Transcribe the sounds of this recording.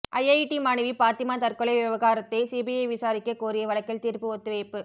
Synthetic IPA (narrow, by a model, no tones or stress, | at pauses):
ʔɐjɐɪʈimaːnɪʋipaːt̪ɪmaːt̪ɐrkɔɭɐɪʋɪʋɐɣaːɾɐt̪ːɐsiːbijɐɪʋɪsaːɾɪkːɐkːuːɾɪjɐʋɐɭɐkːɪlt̪iːɾpɯɔt̪ːɯʋeːpːɯ